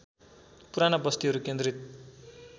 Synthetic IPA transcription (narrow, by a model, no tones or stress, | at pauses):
puɾanabʌst̪iɦʌɾukend̪rit̪̚